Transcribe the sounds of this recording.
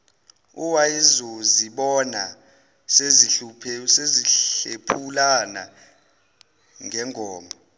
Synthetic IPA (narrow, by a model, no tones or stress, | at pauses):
uwajizɔziɓɔna | sezipʰseziɬepʰulana | ŋɛŋʱɔːmʱɔ